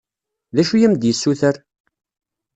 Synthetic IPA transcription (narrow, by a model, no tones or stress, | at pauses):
ðæʃujæmd̪jəsːuθəɾ